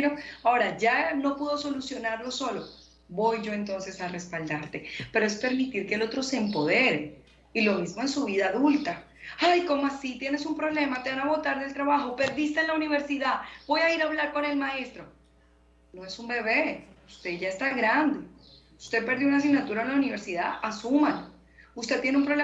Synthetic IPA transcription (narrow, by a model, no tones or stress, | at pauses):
ɾoao̞ɾad͡ʒano̞puð̞o̞so̞lusjo̞naɾlo̞so̞lo̞ | bo̞jd͡ʒo̞e̞nt̪o̞nse̞sare̞spald̪aɾt̪e̞pe̞ɾo̞e̞spe̞ɾmit̪iɾkeːlo̞t̪ɾo̞se̞ːmpo̞ð̞e̞ɾe̞ | ilo̞mizmo̞ensuβ̞iðaːðult̪a | ajko̞moasit̪je̞ne̞sumpɾo̞βle̞mat̪eβanaβo̞t̪aɾðe̞lt̪ɾaβaxo̞pe̞ɾðis̬t̪enlauniβe̞ɾsiðab̥o̞jaiɾaβlaɾko̞ne̞lmae̞st̪ɾo̞ | no̞e̞sumbe̞βe̞ust̪e̞ʝaest̪aɣɾand̪e | ust̪e̞pe̞ɾðjounas̬inat̪uɾalauniβe̞ɾsiðaʔasumalo | ust̪e̞t̪je̞neumpɾo̞βle